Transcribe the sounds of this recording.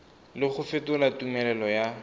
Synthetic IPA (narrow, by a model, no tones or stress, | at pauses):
lɪχʊfɪtʊlatumɛlɛlɔja